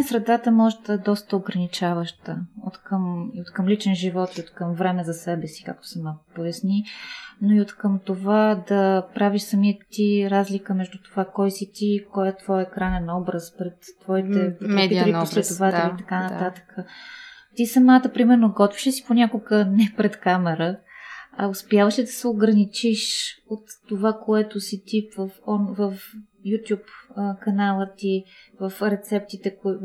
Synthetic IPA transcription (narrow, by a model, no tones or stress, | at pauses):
sɾɛd̪at̪əmɔʒɛd̪ɐɛd̪ɔst̪əoɡɾɐnit͡ʃavəʃt̪əot̪kəmiot̪kəmlit͡ʃɛnʒivɔt̪iot̪kəmvɾɛmɛzɐsɛbɛsi̥ka̰k̚t̪o̥sɛmakʊ̥pojɐsninoiot̪kəmt̪ovad̪ɐpɾaviʃsɐmiət̪iɾazlikəmɛʒd̪ut̪ovakɔjsit̪ikɔjɛt̪vɔjɛkɾanɛnɔbɾəspɾɛt̪ːvɔit̪ɛp̪iɾiposlɛt̪ovat̪ɛlit̪ɐkanɐt̪at̪ə̥kʰət̪isɐmat̪əpɾimɛɾnoɡɔt̪viʃəsi̥ponʲakoɡənɛpɾɛt̪kamɛɾə | ɐʊspjavəʃɛd̪ɐsɛoɡɾɐnit͡ʃiʃot̪ːovakoɛt̪osit̪ivəfɔvəf | jut̪ʲjupkɐnalˠət̪ivəfɾɛt̪sɛp̚t̪it̪ɛko